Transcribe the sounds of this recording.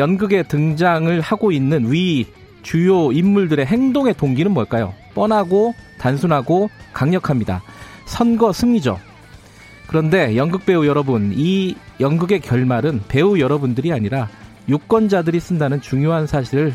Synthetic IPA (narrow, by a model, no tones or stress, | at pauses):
jʌnɡɯɡe̞tɯŋd͡ʑaŋɯɭhaɡoinːɯnwi | t͡ɕujoimːuɭdɯɾe̞ɦe̞ŋdoŋe̞toŋɡinɯnmwʌɭk͈ajo̰p͈ʌnɦaɡotansʰunɦaɡokaŋɲʌkʰamɲida̰ | sʰʌnɡʌsʰɯmɲid͡ʑo̰ | kɯɾʌnde̞jʌnɡɯk̚p͈e̞ujʌɾʌbunijʌnɡɯɡe̞kjʌɭmaɾɯnpe̞ujʌɾʌbundɯɾiaɲiɾa | juk͈wʌnd͡ʑadɯɾis͈ɯndanɯnt͡ɕuŋjoɦansʰaɕʰiɾɯɭ